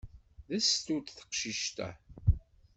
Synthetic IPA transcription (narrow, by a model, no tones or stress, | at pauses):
ðæst̪ut̪θə̥qʃiʃt̪æ̰